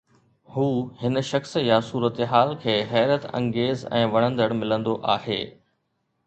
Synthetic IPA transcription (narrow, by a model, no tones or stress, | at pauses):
huːhɪnʃɐxsjasuːɾət̪ɦaːlkʰeːɦɛːɾət̪ɐ̰̃ŋɡeːzɛ̰̃ːʋɐɽ̃ə̃nd̪əɽmɪlə̃nd̪oʔaːɦḛː